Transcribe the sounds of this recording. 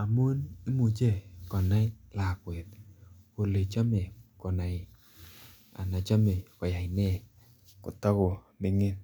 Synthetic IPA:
a˨mo˦ni˦mu˨d͡ʒe˦˨kɔ˨na˦la˨kwe˨t̪ko˨le˨t͡ʃa˦me˨kɔ˨na˨ | a̰˨na˨t͡ʃa˦me˨kɔ˨ja˨ɪ˨nɛ˦ | kɔ̰˨t̪a˦ɡo˨ | bɪ˦ŋe˦n

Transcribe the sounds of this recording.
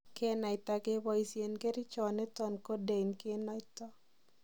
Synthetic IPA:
ke˦na˨ɪ˨t̪a˨ɡe˦bɔ˦i˨sje˨nke˦ɾi˦t͡ʃɔ˨nɛ˦tɔ˨nko˦de˨inke˦nɔ˦ɪtɔ˦

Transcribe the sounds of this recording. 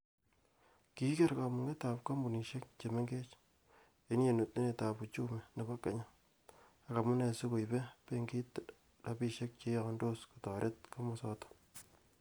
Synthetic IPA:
ki˦ke˦ɾka˨mʊ˨ŋe˦ta˨p̚ka˦mbu˨ni˨ʃe˦k̚t͡ʃe˨me˦ŋɡe˦t͡ʃ | e˦n˦je˨nu˨t̚ni˦e˨ta˨pu˨t͡ʃu˦me˨ne˨ba˦kːe˨ɲa˦ | a˨ka˨mu˦ne˨su˦ko˨jbe˦pe˦ŋɡi˦t | da˨bi˦ʃe˦k̚t͡ʃe˨˦jɔ˨kɔ˦ndo˦sku̥˨tɔ˨ɾʔe˦t̚ka˦mɔ˨sɔ˦to̥˦

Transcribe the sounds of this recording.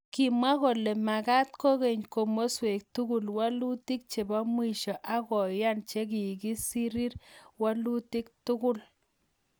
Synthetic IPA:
ki˨ma˦ɣo˨le˨ma˨ka˦t̪̚ko˦ɣe˨ɲko˨mo˦swe˨k̚tu˦ɡu˦lwa˦lu˦t̪i˦k̚t͡ʃe˨ba˦mwi˦˨ʃɔ˨ʔa˦kɔ˨ja˦˨nt͡ʃe˦ki˨ɡi˦si˦ɾi˦ɾwa˦lu˦t̪i˦k̚tʊ˦ɡʊ˦l

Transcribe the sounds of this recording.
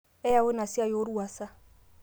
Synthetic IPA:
ɛ˦ja˨wo˦na˨si˦a˦jo˦ɾwa˨sa˦

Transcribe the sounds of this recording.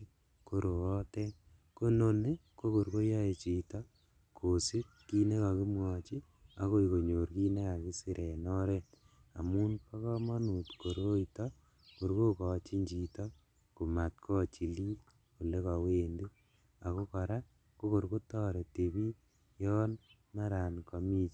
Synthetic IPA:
ko˦ɾo˨ɔ˦tɛ˦ | ko˦no˦ne˦ko˦ko˨ɾko˦ja˦e˨t͡ʃi˨tɔ | kʰo˨si˦ | ki˦ne˦ka˨ki˦mwɔ˨t͡ʃi˦ | a˦ko˦iko˨ɲo˨ɾki˦ne˦ka˨ki˦si˨ɾʔɛ˨nɔ˦ɾɛ˦t | a̰˨mu˦npa˦kɔ˦mɔ˦nu˨tko˨ɾo˦itɔ | ko˨ɾko˦kɔ˨t͡ʃi˦ɲd͡ʒi˨tɔ˦ | ku˨ma˨tkʰɔ˦t͡ʃi˨liː˦t | ku˨le˦ka˨weː˦nde˦ | a˨ko˦kɔ˨ɾa˦ | ko˦ko˨ɾko˦tɔ˦ɾe˨te˨bi˦ | jɔ˦n | ma˦ɾa˨nkɔ˨mi˦t͡ʃ

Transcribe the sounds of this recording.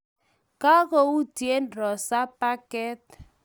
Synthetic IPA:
ka˦ko˦u˦tje˦nɾɔ˨sa˦pa˦kɛ˦t

